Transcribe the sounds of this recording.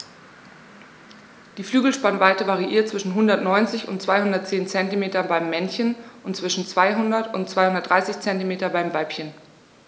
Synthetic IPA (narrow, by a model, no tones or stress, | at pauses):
d̥iːflyːɡl̩ʃpanvaɪtəvaʁiʔiːɐt̚t͡sv̥ɪʃn̩ɦʊndɐtnɔʏnt͡sɪçʊ̰ntt͡sv̥aɪhʊndɐt̚t͡seːnt͡sɛntimeːtɐbaɪmːɛnçənʔʊntt͡sv̥ɪʃn̩t͡sv̥aɪɦʊndɐtʊntt͡sv̥aɪhʊndɐtd̥ʁaɪsɪçt͡sɛntimeːtɐbaɪmvaɪpçən